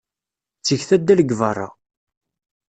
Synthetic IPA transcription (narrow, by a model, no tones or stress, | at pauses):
t͡sːəçθæd̪ːæləɡvərˤːɑ̰